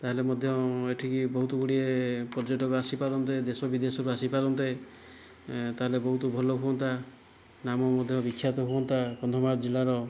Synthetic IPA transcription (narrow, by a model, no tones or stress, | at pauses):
t̪aɦelemɔd̪ʱjɔeʈʰikibɔɦut̪ɔɡuɽiepɔɾd͡ʒeʈɔkuasipaɾɔnt̪ed̪esɔbid̪esɔkuasipaɾɔnt̪e | t̪aɦelebɔɦut̪ɔbʱɔloɦuɔnt̪a | namɔmɔd̪ʱjɔbikʰːjat̪ɔɦuɔnt̪apɔnd̪ʱɾɔmaɾd͡ʒilaɾɔ